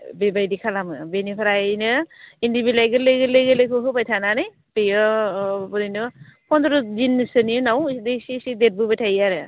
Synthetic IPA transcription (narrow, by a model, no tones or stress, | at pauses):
bebajdikʰalamɯbenipʰaɾanɯindibilajɡɯleɡɯlɯɡɯlekʰɯɦɯpajtʰananɯj | pejɔbɔninɯpʰɔndɾuzinːɯsɯniunawdesisidet̚bɯbɯtʰajaɾɯ